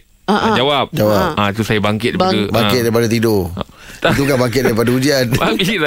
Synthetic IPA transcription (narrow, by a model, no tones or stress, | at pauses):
aʔd͡ʒawap̚d͡ʒawap̚ait̪usajabaŋkɪt̪̚daiaabaŋkɪt̪̚daɾip̬adat̪̬ido | t̪ukabaŋkɪt̪̚daɾipadaud͡ʒianbaŋkt̪̚